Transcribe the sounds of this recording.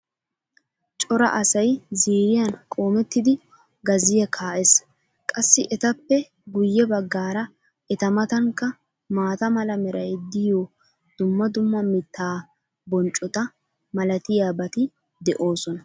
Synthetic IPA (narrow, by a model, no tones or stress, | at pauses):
t͡ʃʼɔɾɐ̰ʔɐsɐjziːɾɪjɐnkʼo̞ːmɛt̪ːɪd̪ɪ | ɡɐzɪjɛkʰaːʔɛs | kʼɐsːɪʔɛt̪ɐpːɛ | ɡʊjːɛbɐɡːaːɾɐ | ɛt̪ɐmɐt̪ɐŋkːɐ | maːt̪ɐmɐlɐmɛɾɐjd̪ɪjoː | d̪̥ʊmːɐd̪ʊmːɐmɪt̪ːaː | bɔnt͡ʃʼːɔt̪ɐ | mɐlɐt̪ɪjaːbɐt̪ɪ | d̪ɛʔo̞ːsɔnɐ